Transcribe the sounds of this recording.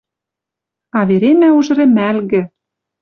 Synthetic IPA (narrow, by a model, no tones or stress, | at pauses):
ɑβeɾemæuʒɤ̆ɾĕmælɣɘ̆